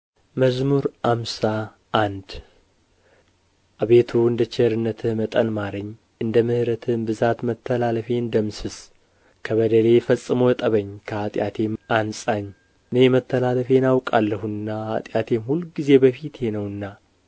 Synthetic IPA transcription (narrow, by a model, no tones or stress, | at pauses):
məzmuɾamsa | ʔːnd̪ | ʔaβe̞t̪ʰuɨnd̪ət͡ʃʰɛɾɨnːət̪ʰɨmət̪ʼənmaɾəɲː | ɨnd̪əmɨhɾət̪ʰɨmbɨzat̪mət̪ʰːəlaləfe̞ɨnd̪əmsɨs | kʰəβəd̪əle̞fəsʼːɨmojɛt̪ʼəβəɲːkʰəat̪ʼjat̪ʰe̞ʔansʼaɲː | ɨnejmət̪ʰːəlaləfe̞nawkʼalːəhunːaa̰t̪ʼjat̪ʰe̞mhulɡize̞bəfit̪jenəwɨnːa